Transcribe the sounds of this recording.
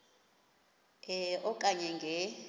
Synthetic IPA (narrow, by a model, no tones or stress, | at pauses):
ɛʔɔkʼaɲɛŋɡʱɛ